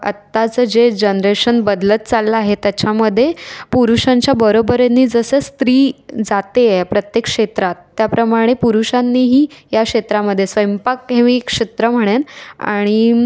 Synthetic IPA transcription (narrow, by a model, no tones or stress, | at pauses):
ə̰t̪ːat͡səd͡ʑed͡ʑənɾeɕənbəd̪lət̪̚t͡salːaaɦet̪jat͡ɕaməd̪ʱːjepuɾuʂãɲt͡ɕjabəɾobəɾenːiːd͡zəsəːst̪ɾiːd͡zat̪epɾət̪jekʂet̪ɾat̪ːjapɾəmaɽ̃epuɾuʂanːiːɦiːjakʂet̪ɾaməd̪ʱːjesʋəjmpakɦẽʋikʂet̪ɾəm̤əɽ̃ena̰ɽ̃i